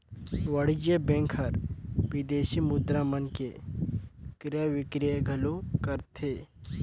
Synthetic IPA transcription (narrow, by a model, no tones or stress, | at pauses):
ʋɐɽ̤id͡ʒebẽŋkʰɐɾʋɪd̪eːʃimʊd̪ɾamənke | kɾjaʋɪkɾjəɡʱɐlokəɾt̪ʰeː